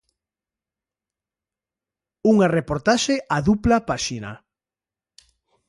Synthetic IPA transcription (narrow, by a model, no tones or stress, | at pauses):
uŋarepoɾt̪aʃeʔaðuplapaʃina̰